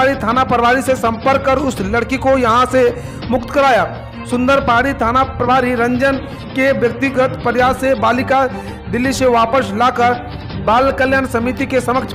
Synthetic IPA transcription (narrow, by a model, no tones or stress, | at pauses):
aɾit̪ʰaːnapɾəʋaːɾisesɐ̃mpəɾkːəɾʊslɐɽkikojɐɦãse | mʊkt̪kɐɾaːja | sʊ̃nd̪əɾpaːɽit̪ʰaːnapɾəʋaːɾiɾɐ̃ɲd͡ʒən | keʋjɐk̚t̪ɪɡət̪pəɾjaːsebaːlɪka | d̪ɪlːiseʋaːpəslaːkəɾ | baːlkəljaːnsɐmit̪ikesɐməkt͡ʃʰ